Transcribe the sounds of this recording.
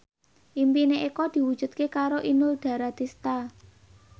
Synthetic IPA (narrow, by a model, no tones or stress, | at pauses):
ʔimpineʔekɔd̪̥i̤wud̥ʒ̥ṳt̪̚kekaɾoʔinʊlɖ̪̥ä̤ɾad̪ist̪a